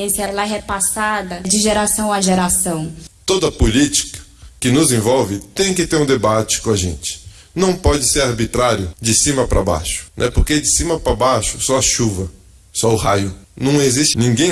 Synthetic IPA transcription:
ẽsjɐlɐɦɛpasad̪ɐd͡ʒɪʒeɾasɐ̃w̃aʒeɾasɐ̃w̃t̪od̪ɐpolit͡ʃi̥kɐ̥kɪnʊzẽvɔwvɪt̪ẽj̃kɪt̪eɾũd̪ebat͡ʃɪ̥kõɐʒḛ̃nt͡ʃɪ̥ | nɐ̃w̃pɔd͡ʒɪseɾaɾbit̪ɾaɾjʊd͡ʒɪsĩmɐpɾɐ̰ba̰ʃʊ̥nʔɛpoɾked͡ʒɪsĩmɐpɾɐbaʃʊ̥sɔɐʃuvɐ | sɔʊɦajʊnɐ̃w̃eziʃt͡ʃnĩŋɡẽ

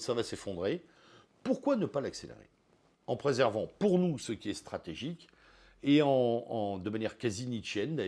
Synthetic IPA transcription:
savasefɔ̃d̪ʁe | puʁkwanəpalakselḛʁḛ | ɑ̃pχezɛʁvɑ̃puʁnusəkʲiɛst̪χat̪eʒikʲ | eɑ̃d̪əmanjɛʁkazinit͡ʃjɛnd̪a

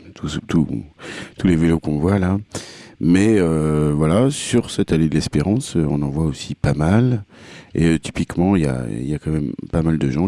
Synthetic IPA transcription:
t̪ʰut̪ʰṵ | t̪ulevelokɔ̃vwala | mɛøvwalasyʁsɛt̪aled̪əlɛspeʁɑ̃søɔ̰̃nɑ̃vwaosipamal | ḛøt̪i̥pikmɑ̃ilja̰ḭljakɑ̃mɛmpamald̪əʒɑ̃

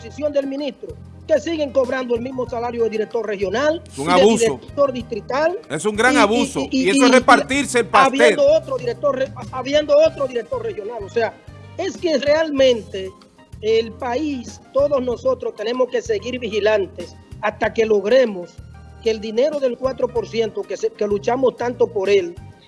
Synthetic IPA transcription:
osisjo̞nd̪e̞lmĩnist̪ɾo | ke̞siɣe̞ŋko̞βɾand̪oe̞lmismo̞salaɾjoðeðiɾek̚t̪o̞ɾre̞xjo̞nal | uŋaðβuiɾeot̪o̞ɾðist̪ɾit̪alesuŋɡɾaŋaβusoesoeepaɾt̪iɾselpaaβjend̪oot̪ɾoðiɾek̚t̪o̞ɾreaβjend̪oot̪ɾoðiɾek̚t̪o̞rexjo̞nalo̞se̞ae̞ske̞re̞almẽ̞nt̪e̞ː | lpaist̪o̞ðo̞sno̞so̞t̪ɾost̪e̞nẽ̞mo̞ske̞se̞ɣiɾβixilant̪e̞s | ast̪ake̞lo̞ɣɾe̞mos | keːld̪ine̞ɾo̞ðe̞lkwat̪ɾo̞po̞ɾsje̞nt̪o̞keske̞lut͡ʃamo̞st̪ant̪o̞po̞ɾe̞l

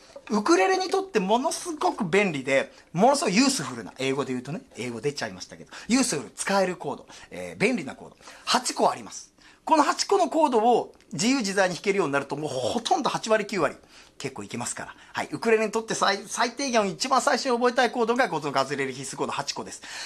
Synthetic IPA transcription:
ɯ̟kɯ̟ɾe̞ɾeɲ̟it̪ot̪ːe̞mo̞no̞sɨɡo̞kɯ̟bẽ̞nɾʲid̪e̞ | monosɨɡojɯ̟ːsɨɸɯ̟ɾɯ̟na̰ʔe̞ːɡo̞d̪e̞jɯ̟ːt̪o̞ne̞e̞ːɡo̞d̪e̞t͡ɕaimaɕi̥t̪a̰ke̞d̪ojɯːsɨɸɯ̟ɾɯ̟t͡sɨ̥kae̞ɾɯ̟ko̞ːd̪o̞̰ḛːbẽ̞nɾʲina̰ko̞̰ːd̪o̞̰hat͡ɕi̥ko̞a̰ɾʲimasɨ̥ | ko̞nohat͡ɕi̥ko̞no̞ko̞ːd̪o̞o | d͡ʑijɯ̟ːʑizaiɲ̟içi̥ke̞ɾɯjo̞ːɲ̟inaɾɯ̟t̪o̞moːho̞t̪ʰõ̞nd̪o̞hat͡ɕiβaɾʲikʲɨːβaɾʲḭ | ke̞kːo̞ːikʲimasɨ̥ka̰ɾa̰ | ha̰ḭʔɯ̟kɯ̟ɾe̞ɾeɲ̟it̪o̞t̪ːe̞saisait̪e̞ːɡʲẽɰ̃oit͡ɕibãsaiɕoɲiobo̞et̪aiko̞ːd̪o̞ɡaɡozonoɡazɨɾe̞ɾɯ̟çisɨ̥ko̞ːd̪ohat͡ɕi̥ko̞d̪e̞sɨ̥

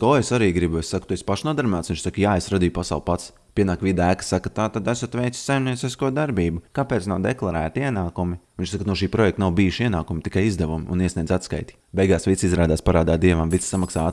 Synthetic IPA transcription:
koːesaɾiːɡɾibuessakt̪uesʲpaʃnuɔd̪aɾmaːt̪sʋiɲʃsakjaːesɾad̪iːjupasa̰wlˠpat̪s | pʲiɛnaːkʋʲid̪æːkḁsakat̪aːt̪ad̪æsat̪vɛjt̪si̥sʲsajmniɛt̪sʲiskuɔd̪aɾbiːbukapɛːtsnawd̪eklˠaɾæːt̪iiɛnaːkumivʲiɲʲt͡ʃʃsaknuɔʃiːpɾɔjɛk̚t̪nawbiːjuʃiɛnaːkumt̪i̥kajizd̪ɛʋum̰ṵniɛsniɛd̪zat̪ska̰jt̪ʲi̥bejɡaːsʋit̪sizɾaːd̪aːspaɾaːd̪aːt̪̚d̪iɛʋamvit̪ssamaksaː

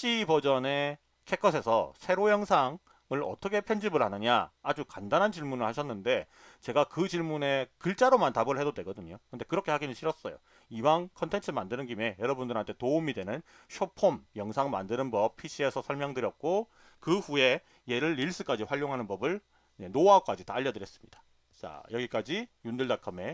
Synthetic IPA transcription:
ɕ͈ibʌd͡ʑʌne̞ | kʰe̞kʰʌsʰe̞sʰʌsʰe̞ɾojʌŋsʰaŋ | ɯɾʌ̰t͈ʰʌkʰe̞pʰe̞nd͡ʑibɯɭhanɯɲa̰ad͡ʑukandanɦant͡ɕiɭmunɯɭhaɕʰʌnːɯnde̞ | t͡ɕe̞ɡakɯt͡ɕiɭmune̞kɯɭt͡ɕ͈aɾomantabɯɾɭɦe̞dodwe̞ɡʌdɯɲokɯndekɯɾʌkʰe̞haɡinɯɭɕʰiɾʌs͈ʌjo̰ | ibankʰʌntʰe̞nt͡ɕʰɯmandɯnɯnɡime̞jʌɾʌbundɯɾɦantʰe̞toumidwe̞nɯn | ɕʰopʰomjʌŋsʰaŋma̰ndɯnɯnbʌp̚pʰiɕʰie̞sʰʌsʰʌɭmjʌŋdɯɾjʌk̚k͈o | kɯɸue̞ | je̞ɾɯɭːiɭs͈ɯk͈ad͡ʑiɸwaʎːoŋɦanɯnbʌbɯɭ | enoak͈ad͡ʑitaːʎjːʌdɯɾjʌs͈ɯ̥mɲid̥ḁ | t͡ɕa̰jʌɡik͈ad͡ʑijundɯɭdakʰɯme̞

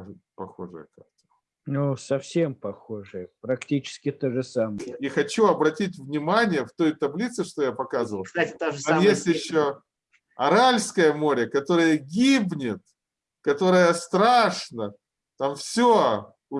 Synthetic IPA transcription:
pɐxo̞̰ʐɨ̰jə̰ka̰k̚t̪ə̥ | nusɐfsʲe̞mpɐxoʐɨjəpɾɐktʲit͡ɕɪ̥skʲɪt̪oʐɨsaməjəixɐt͡ɕuɐbɾɐtʲit̬ʲvnʲɪmanʲɪjəft̪o̞jt̪ɐblʲit̪sɨʂt̪o̞japɐkazəvəlˠt̪oamjesʲtʲjɪɕːo | ɐɾalʲskəjəmo̞ɾʲəkɐt̪o̞ɾɨjəɡʲibnʲɪt̪ | kɐt̪o̞ɾəjəst̪ɾaʂnə | t̪amfsʲo | ʊ

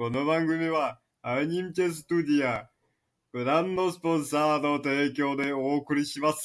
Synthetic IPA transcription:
ko̞no̞bãŋɡɯ̟mʲiβa | aiɲ̟imt͡ɕʲes̬ɨ̥t̪ud̪ʲia | b̥ɯ̟ɾãnd̪o̞sɨ̥põ̞ɰ̃saːno̞t̪e̞ːkʲo̞ːd̪e̞oːkɯ̟ɾʲiɕimasɨ̥

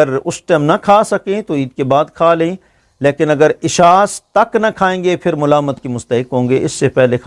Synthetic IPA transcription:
əɾʊsʈɛːmnɐkʰaːsɐkẽt̪oiːd̪kebaːd̪kʰaːleẽ | leːkɪnɐɡəɾɪʃaːst̪ɐknɐkʰaːẽːŋɡepʰɪɾmʊlaːmət̪kimʊst̪əɦɪkɦõːŋɡeʔɪsːepɛɦlekʰ

